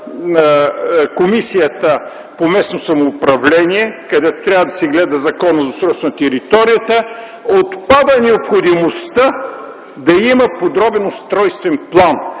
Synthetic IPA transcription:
komisijət̪ə | pomɛsnosɐmoːpɾɐvlɛniɛkɐd̪ɛt̪o̥t̪ɾʲavəd̪ɐsɛɡlɛd̪əzɐkɔnəzɐsɾɔsnɐt̪ɛɾit̪ɔɾijət̪ə | ot̪pad̪ənɛopxod̪imost̪ə | d̪ɐiməpod̪ɾɔbɛnost̪ɾɔjst̪vɛnplˠan

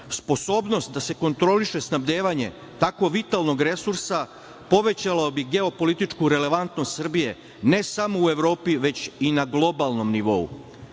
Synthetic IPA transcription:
spo̞so̞ːbno̞st̪̚d̪ase̞ko̞nt̪ɾo̞liʃe̞snabd̪e̞ːʋaɲe̞ | t̪ako̞ʋit̪alˠno̞ɡɾe̞suɾsa | po̞ʋe̞t͡ɕalaobiɡe̞o̞po̞lit̪it͡ʃkuɾe̞le̞ʋant̪nost̪sr̩bije̞ | ne̞samo̞ue̞ʋɾo̞ːpiʋe̞t͡ɕinaɡlˠo̞balˠno̞mniʋo̞̰ṵ

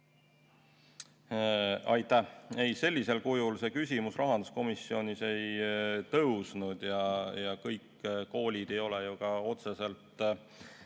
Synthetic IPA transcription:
ɑjt̪ˑæhe̞jse̞lʲːise̞lkujulse̞kysʲimusrɑɦɑnd̪usko̞misːio̞nʲise̞jt̪ɤwsnud̪̥jɑjɑkɤjkː | ko̞ːlʲid̪̥e̞jo̞lejoɡ̥ɑo̞t̪se̞se̞lt̪ːˑ

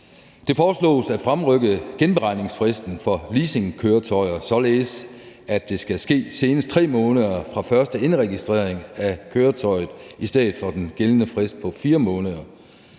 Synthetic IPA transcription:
d̥e̝fɒːslɔ̰̽ːsæd̥fʁamʁœɡ̥əɡ̥enb̥e̝ʁɑ̈ɪ̰ne̝ŋsfʁɛsd̥n̩fɒ̽liːse̝ŋkʰøːɐt͡sʰɒ̽ɪɐsɒ̽le̝ːs | æd̥e̝sɡ̥æsɡ̥e̝̰ːse̝ːnəs̚t͡sʰʁɛ̰ːmɔ̽ːnəðˠɐfʁɑ̈fɶɐsd̥əe̝nʁɛɡ̥isd̥ʁḛɐ̰e̝ŋækʰøːɐt͡sʰɒ̽ɪ̰ð̩ˠisd̥eð̩ˠfɒ̽d̥enɡ̥elənəfʁɛsd̥̚pʰɒ̽fiːɐmɔ̽ːnəðˠɐ

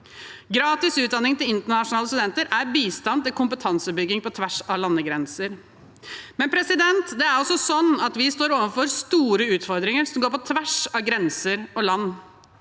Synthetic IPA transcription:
ɡɾɑːt̪ɪsʉːt̪d̪ɑnːɪŋt̪ɪlɪnt̪əɳɑʂʊnɑːləst̪ʉd̪ɛnt̪əɾʔæɾbiːst̪ɑnd̪t̪ɪlkʊmpət̪ʰɑnsəbʏɡɪŋpɔt̪ʰʋæʂɑʋlɑnːəɡɾɛnsəɾ | mɛnpʰɾɛsɪd̪ɛnt̪d̪ɛæɾɔsːɔsɔnːɑt̪ʋɪst̪oːɾoːʋənfɔɾst̪uːɾəʉːt̪fɔɾd̪ɾɪŋəɾsɔmɡoːpɔt̪ʰʋæʂɑʋɡɾɛnsəɾɔlɑnː

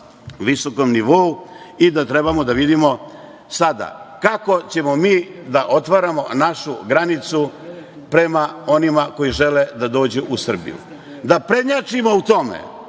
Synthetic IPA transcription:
ʋisoko̞mniʋouid̪at̪ɾe̞bamod̪aʋid̪imo̞ | sad̪a̰kako̞t͡ɕe̞mo̞miːd̪aʔo̞t̪ʋaɾamo̞naʃuɡɾanit̪su | pɾe̞mao̞nimako̞jiʒe̞led̪ad̪o̞ːd͡ʑuʔusr̩bḭjṵ | d̪apɾe̞ɲat͡ʃimout̪o̞mḛ

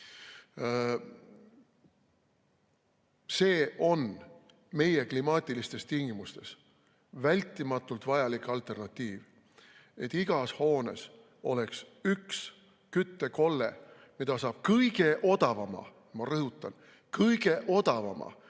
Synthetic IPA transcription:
se̞ːʔo̞n | me̞je̞klimɑːt̪ʲˑilist̪e̞st̪iŋɡimust̪e̞s | vælʲt̪ːˑimɑt̪ːˑult̪vɑjɑlikˑɑlt̪ˑe̞rnɑt̪ʲˑːiːv | e̞t̪ːˑiɡ̥ɑsho̞ːne̞̰s | o̞̰le̞ksyks | kyt̪ːe̞ko̞lːe̞̰ | mid̪̥ɑsɑːb̥̚kɤjɡ̥e̞ʔo̞d̪̥ɑvɑmɑ̰ | mɑrɤɦut̪ˑːɑn | kɤjɡ̥e̞ʔo̞d̪̥ɑvɑ̰mɑ̰

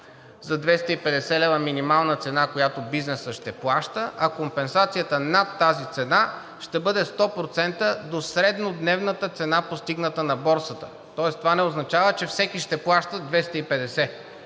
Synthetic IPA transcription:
zɐd̪vɛst̪əipɛd̪ɛsɛlɛvəminimalˠnət̪sɛnakojat̪obiznɛsəʃt̪ɛplˠaʃt̪əʔɐkompɛnsat̪sijət̪ənat̪ːazit̪sɛna | ʃt̪ɛbɤd̪ɛst̪ɔpɾot̪sɛnt̪əd̪osɾɛd̪nod̪nɛvnət̪ət̪sɛnapost̪iɡnət̪ənɐbɔɾsət̪ə̥ | t̪ɔɛst̪ovanɛoznɐt͡ʃavət͡ʃɛfsɛkiʃt̪ɛplˠaʃt̪əd̪vɛst̪əipɛd̪ɛsɛ

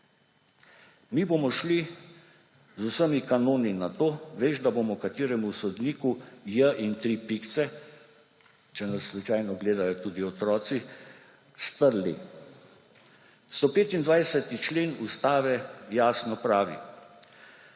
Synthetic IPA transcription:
mibomɔʃli | zusəmikanoːninat̪oːʋeːʒd̪aboːmɔkat̪iːɾɛmusɔd̪niːkujəʔint̪ɾipikt̪sɛ | t͡ʃɛnasːlut͡ʃajnɔɡleːd̪ajɔt̪uːd̪iɔt̪ɾɔːt̪si | st̪əɾlḭ | st̪opeːt̪ind̪ʋajsɛt̪it͡ʃleːnust̪aːʋɛjaːsnɔpɾaːʋḭ

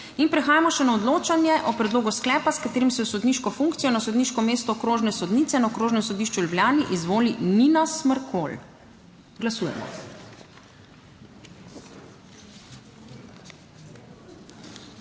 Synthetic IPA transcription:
inpɾɛxaːjamɔʃɛnaɔd̪loːt͡ʃanjɛʔɔpɾɛd̪loːɡusklɛːpaskat̪eːɾimsɛɔsɔd̪niːʃkɔfuŋkt̪sijɔnasɔd̪niːʃkɔmeːst̪ɔkɾoːʒnɛsɔd̪niːt̪sɛnaɔkɾoːʒnɛmsɔd̪iːʃt͡ʃuljublʲjaːniʔizʋoːlininasməɾkʰo̰l | ɡlasuːjɛ̰mɔ̰

